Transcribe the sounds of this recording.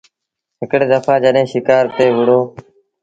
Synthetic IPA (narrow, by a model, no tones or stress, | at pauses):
ɦɪkɽeːd̪əfʰaːd͡ʒəɗɦẽːʃɪkaːɾt̪eːʋʊɽ̤oː